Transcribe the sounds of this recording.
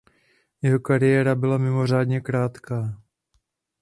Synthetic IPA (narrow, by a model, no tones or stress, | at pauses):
jɛɦo̞kaɾɪjɛːɾabɪlamɪmo̞r̝aːdɲɛkɾaːt̪kaː